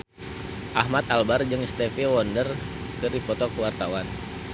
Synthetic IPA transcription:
ʔaɦmat̪albard͡ʒɨŋst̪ɛfiwɔndər | kɨrdipɔt̪ɔkwart̪awan

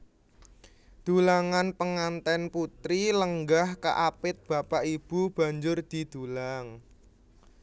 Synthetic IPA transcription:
d̪̥ṳlaŋanpəŋant̪ɛnput̪ɾiləŋɡahkə̰ʔapɪt̪̚b̥a̤paʔib̥ub̥a̤ɲd͡ʒʊrd̪̥i̤d̪̥ṳlaŋ

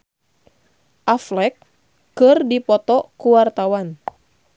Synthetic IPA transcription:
ʔaflɛkː | ɨrdipɔt̪ɔkuwart̪awan

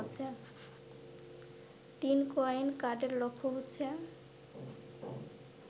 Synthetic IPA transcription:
tːt͡ɕʰe | t̪inkojnkaɖeɾlokʰːoɦotːɕʰe

